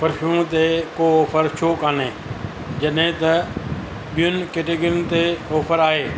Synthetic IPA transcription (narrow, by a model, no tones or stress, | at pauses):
pəɾfʰuːt̪eːkoːɔːpʰəɾʃʰoːkãːneː | d͡ʒəɗẽːt̪ə | ɓɪjʊnkeːʈeːɡɾɪnt̪eːoːpʰəɾaːɦeː